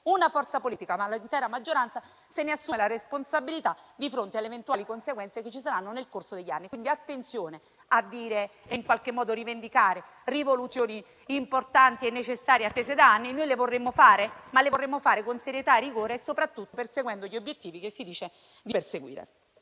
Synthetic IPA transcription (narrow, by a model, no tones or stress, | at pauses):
unafɔrt̪sapoliːt̪ikamalint̪ɛːɾamad͡ʒːoɾant̪sa | seneasːumelaɾesponsabilit̪ad̪ifɾont̪ealevent̪waːlikonseɡwɛnt̪seket͡ʃːis̬aɾanːonelkorsod̪eʎːa̰nːikwind̪iat̪ːent̪sjoːne | ad̪ːiːɾeiŋkwalk̟emːɔːd̪oɾivend̪ikaːɾe | rivolut̪sjoːniː | mport̪ant̪ienːet͡ʃesːaːɾjeat̪ːeːzed̪aanːinojlevorːemːofaːɾemalːevorːemːofaːɾekonseɾjet̪aerːiɡoːɾeːsːopɾat̪ːut̪ːoperseɡwɛnd̪oʎːiobjet̪ːiːvikesːid̪iːt͡ʃe | d̪iperseɡwḭːɾḛ